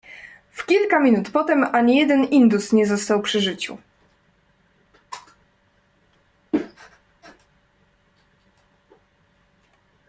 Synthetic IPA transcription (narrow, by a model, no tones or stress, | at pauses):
fkʲilkamʲinut̪pɔt̪ɛmaɲijɛd̪ɛnind̪usɲɛzɔst̪awpʂɘʐɘt͡ɕṵ